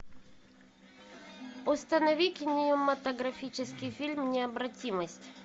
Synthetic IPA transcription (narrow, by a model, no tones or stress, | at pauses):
ʊst̪ənɐvʲikʲɪnʲɪjʊmɐt̪əɡɾɐfʲit͡ɕɪskʲɪfʲilʲmnʲɪɐbɾɐtʲiməsʲtʲ